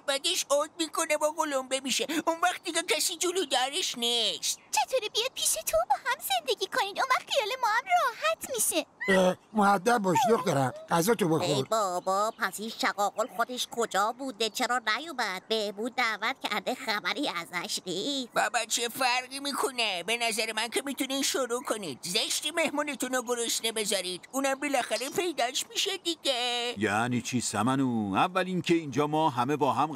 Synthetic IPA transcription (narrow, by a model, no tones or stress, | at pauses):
æbæd̪eʃoɡmiːkʰonebɒːɡolombemiʃeunvæχt̪̚d̪iɡecʰæsid͡ʒuluːd̪æɾeʃniʃt̪t͡ʃʰe̞t̪ʰoːɾiːpijɒd̪̚pʰiːʃet̪ʰobɒːhæmz̥e̞nd̪eɡʲiːkʰonid̪onvæχχijɒːlemɒːhæmrɒːhæt̪ʰmiʃeemohæd̪ːæb̚bɒːʃd̪oxd̪ɒɾæmɡæzɒːt̪ʰobexeojbɔːbɒːpʰæshiːʃæɣɒːɣolxod̪eʃkʰod͡ʒɒːbuːd̪et͡ʃʰeɾɒːnæjoːbæd̪̥̚behbuːd̪̚ːæːvæt̪̚cʰæ̰ɾd̪exæbæɾiːæzæʃniːbæbæt̪̚t͡ʃʰefæɾɢiːmiːkʰonebenæzæɾemæncʰe̞mit̪ʰuniʃoɾuːkʰoniːd̪zeʃt̪ime̞hmuːnet̪ʰunoɡoɾoʃt̪ebe̞zɒɾid̪̥uːnæmbelæxæɾepʰe̞jd̪æʃmiʃed̪iɟejænit͡ʃʰisæmænuævːælincʰʲeiːnd͡ʒɒːmɒːɦæmebɒːɦæm